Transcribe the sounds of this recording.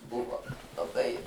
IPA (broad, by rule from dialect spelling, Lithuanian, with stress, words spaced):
ˈbʊʋoː lˠɐˈbɐɪ